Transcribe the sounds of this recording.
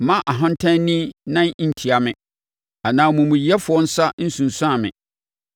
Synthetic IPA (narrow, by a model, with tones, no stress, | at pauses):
mã˦ʔa˨ɦã˦n̩˦tʰã˦nĩ˦nã˦n˦n̩˨tʰi˨a˨mɪ̃˨ | a˨nãː˨˦mũ˨mũ˨jɛ˦fʊ˨ɔ˦n̩˦sa˦n̩˦sũ˨n˨sʊ˦a˨mɪ̰̃˨